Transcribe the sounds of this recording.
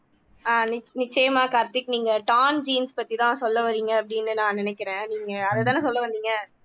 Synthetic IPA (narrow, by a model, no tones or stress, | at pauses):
aːnɪnɪt͡ʃːɐjɐmaːkɐɾt̪ːɪkːniːŋɡɐʈaːnd͡ʒiːnspɐt̪ːit̪ãːsɔlːɐʋɐɾiːŋɡɐːpːɐɽɪnːɯnãːnɪnɛkːɪɾẽːniːŋɡɐɐðɐt̪ãːnːs̬ɔlːɐʋɐnd̪iːŋɡɐ